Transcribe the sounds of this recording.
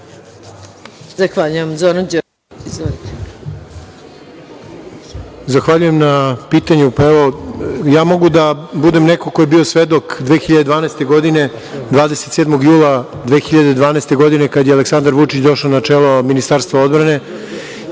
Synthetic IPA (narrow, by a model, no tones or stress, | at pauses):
zaxʋaʎujamzoɾad͡ʑo | izo | zaxʋaʎuje̞mnapiːt̪aɲupaeʋo̞jaːmo̞ɡud̪abud̪e̞mnekokoje̞biːo̞sʋed̪o̞kd̪ʋe̞ːxiʎad̪ed̪ʋaːnast̪e̞ɡo̞d̪ine̞ | d̪ʋaːd̪e̞se̥t̪sed̪mo̞ɡjuːlˠa | d̪ʋe̞ːxiʎad̪ed̪vʋaːneːst̪e̞ɡo̞d̪ine̞kad̪jealˠeksand̪aɾʋut͡ʂit͡ɕd̪o̞ʃanat͡ʂeːlˠominist̪aːɾst̪vao̞d̪bɾane̞